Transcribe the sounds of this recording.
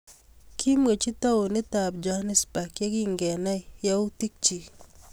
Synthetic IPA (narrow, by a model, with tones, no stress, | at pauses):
kʰi˦mwe˨t͡ʃi˦ta˦wo˨ni˦ta˨p̚d͡ʒa˨ha˦ni˦sba˨kjɛ˦ki˦ŋɡɛ˨na˦i˨ja˦u˦ti˦k̚t͡ʃi˨